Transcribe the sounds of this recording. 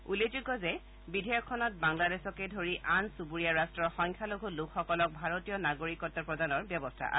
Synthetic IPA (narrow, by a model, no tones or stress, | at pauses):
uled͡ʒuɡɔzɛ | bidʱɛjɔkʰːɔnɔt̚baŋladesɔkedʱoɹiʔansubuɹiaɹastɹɔɹxɔŋkʰaloɡʱulukʰxɔkɔlɔk̚bʱaɹotijɔnaɡoɹikɔtːapɹɔdanɔɹbjɔbɔstʰa̰ʔa̰